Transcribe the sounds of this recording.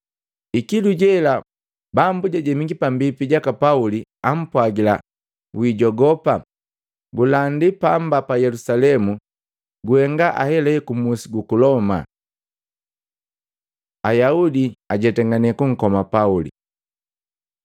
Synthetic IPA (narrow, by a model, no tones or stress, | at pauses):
ikiluɟɛla | bambuɟaɟɛmiɡipambipiɟakapauliam̩pwaɡila | wiɟɔɡɔpa | ɡulandipambapajɛlusalɛmu | ɡuhɛŋɡaʔa̰hɛlɛkumusiɡukulɔma̰ | ajaudiaɟɛtɛŋɡanɛkuŋ̩kɔmapaulḭ